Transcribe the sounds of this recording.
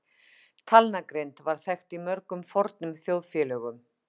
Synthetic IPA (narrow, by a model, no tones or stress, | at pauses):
t̪ʰalnakɾejnt̪vaɾ̥θɛxt̪imœɾkʏmfɔɾt̪nʏmθjoːwðfjɛːlœɣʏm